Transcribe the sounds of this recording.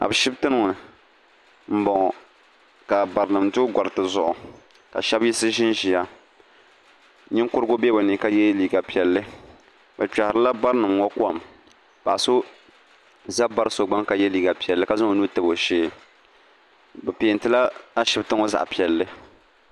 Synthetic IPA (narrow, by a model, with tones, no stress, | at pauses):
a̰˨bʃɪ˦btɨ˦nɨ˦ŋ˨nɨ˨ | m̩˦bɔ˨ŋɔ˨ | ka˨ba˨ɾɨ˨nɨ˨mdʊ˦ɡɔ˨ɾɨ˨tɨ˨zʊ˦˨ʔʊ˨ | ka̰˨ʃɛ˦bji˦sɨ˦ʒɪ˦nʒi˨ja˦ | ɲɪ˦ŋkʊ˦ɾɨ˦ɡʊ˦bɛ˦bo˨ni˨ka˦jɛ˦liː˦ɡa˨pi˨ɛ˨lːɨ˦ | bɛ˨t͡ʃa˨hɪ˨ɾɨ˦la˦ba˦ɾɨ˦nɨ˨mŋɔ˦ka˨m | pa˨a˨so˦ | za˦ba˦ɾɨ˦so˨ɡ͡ba˦ŋka˨jɛ˦liː˨ɡa˨pi˨ɛ˨lːɨ˦ka˨za˦o˨nu˦tɨ˦bo˨ʃeː˦˨ | bɛ˨pi˨n˦tɨ˦la˦a˦ʃɪ˦btɨ˦ŋo˦za̰˨ʔpi˨ɛ˨lːɨ˦